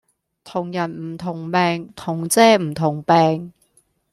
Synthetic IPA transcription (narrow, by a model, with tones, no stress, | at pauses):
t̪ʰʊ˨˩ŋjɐ˨˩nm̩˨˩t̪ʰʊ˨˩ŋpɛː˨˧ŋt̪ʰʊ˨˩ŋt͡sɛː˥m̩˨˩t̪ʰʊ˨˩ŋpɛː˨˧ŋ